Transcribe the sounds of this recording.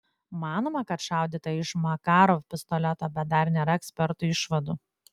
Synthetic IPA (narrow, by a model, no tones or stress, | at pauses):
mɑːnoːmɐkɐt̪ʃɑˑʊd̪ʲiːt̪ɐɪʃmɐkɑːɾofpʲɪst̪ɔlʲɛt̪oːbʲɛt̪̚d̪ɐɾnʲeɾɐɛksʲpʲɛɾt̪ʊɪʃʋɐd̪u